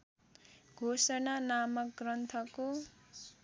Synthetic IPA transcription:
ɡʱosʌnanamʌkɡrʌnt̪ʰʌko

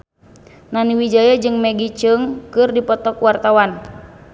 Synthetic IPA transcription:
naniwid͡ʒajad͡ʒɨŋmɛɡit͡ʃəŋkɨrdipɔt̪ɔkwart̪awan

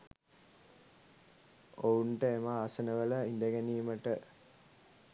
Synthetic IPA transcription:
ouɳʈəemaːsənəʋələind̪əɡæniːməʈə

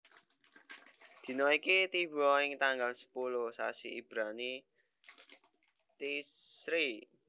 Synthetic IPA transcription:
d̪̥i̤nɔikit̪iwɔɪŋt̪aŋɡaŋsə̥pulʊhsa̰siʔib̥ɾani | t̪isɾi

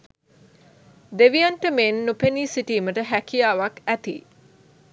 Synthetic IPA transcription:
d̪eʋijanʈəmenːupeniːsiʈiːməʈəɦækijaːʋakæt̪ḭ

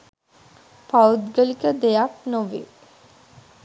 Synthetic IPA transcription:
paud̪ɡəlikəd̪ejak̚noʋḛ

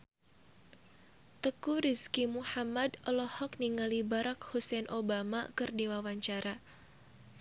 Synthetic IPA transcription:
t̪əkuɾiskimuħamadəlɔhɔkniŋalibaɾakhusɛnʔobama̰kɨrdiwawaɲt͡ʃaɾa

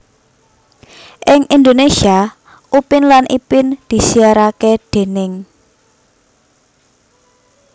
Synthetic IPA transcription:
ʔɪŋʔind̪onesia | ʔupɪnlanʔḭpɪnd̪̥i̤siaɾaked̪̥e̤nɪŋ

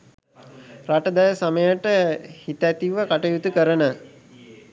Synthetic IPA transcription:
raʈəd̪ɛjəsaməjəʈəhit̪æt̪iʋəkaʈəjut̪ukəɾənə

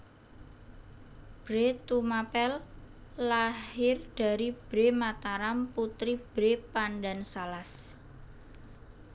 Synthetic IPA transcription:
b̥ɾet̪umapɛlː | ahhɪrɖ̥a̤ɾib̥ɾe̤mat̪aɾamput̪ɾib̥ɾepanɖansalas

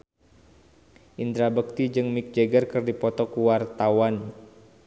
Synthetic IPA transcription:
ʔind̪ɾabək̚t̪id͡ʒɨŋmik̚d͡ʒeɡərkɨrdipɔt̪ɔkuwart̪awan

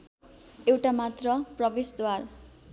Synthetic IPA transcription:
ewʈamat̪rʌprʌbesd̪war

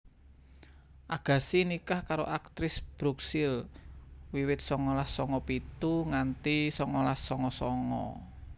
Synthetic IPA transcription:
ʔaɡ̥ä̤sinikahkaɾoʔak̚t̪ɾɪsb̥ɾuksɪl | wiwɪt̪̚sɔŋɔlasɔŋɔpit̪uŋant̪isɔŋɔlasɔŋɔsɔŋɔ̰

